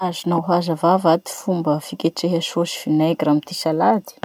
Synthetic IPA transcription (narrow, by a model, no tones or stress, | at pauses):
azunawɦazavavad̪i̥fumbəfikʲeʈ͡ʂeɦəʃoʃi̥finaɡramit̪isalad̪i̥